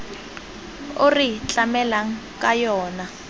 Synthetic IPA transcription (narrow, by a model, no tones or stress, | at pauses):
orit͡ɬʼamɛlaŋ | kʼajɔːna